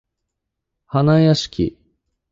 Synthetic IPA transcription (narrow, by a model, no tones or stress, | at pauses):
hanajaɕi̥kʲḭ